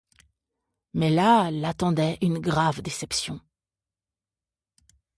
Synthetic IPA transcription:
mɛlalat̪ɑ̃d̪ɛʔynɡʁavd̪esɛpsjɔ̃

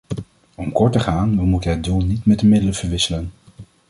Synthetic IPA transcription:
ɔmkɔɹtəχaːnʋəmutənɦədulˠnitmɛdəmɪdələv̥əɹʋɪsələn

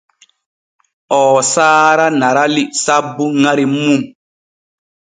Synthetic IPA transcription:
ɔːsaːɾanaɾalisabːuŋaɾimum

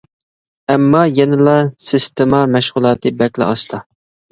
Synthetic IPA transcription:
ɛmːɑjɛnɪlˠɑsɪst̪ɪmɑmɛʃʁʊlˠɑːt̪ʰɨbɛkʲlˠɛ̰ɑst̪ʰɑ

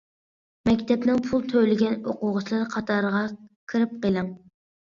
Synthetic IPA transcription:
mɛkʲt̪ʰɛpnɪŋpʰulˠt̪ʰøjlɪɡʲɛnoqʊʁʊt͡ʃʰlˠɑɾqʰɑt̪ʰɑɾəʁɑkʲʰiɾɪp̚qəlˠɨŋ

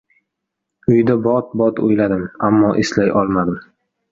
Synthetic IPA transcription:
ʊjd̪abɒt̪̚bɒt̪o̰jlad̪ɪmamːɒʔeslajʔɒlˠmad̪ɪm

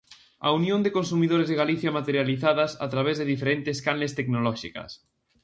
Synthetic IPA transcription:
a̰unjõnd̪ekonsumiðoɾezðeɣ̞aliθjamat̪eɾjaliθaðasa̰t̪ɾaβ̞ezðeðifeɾent̪eskanlest̪eknolɔʃika̰s

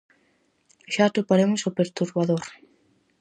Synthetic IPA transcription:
ʃat̪opaɾemʊsopeɾt̪uɾβaðoɾ

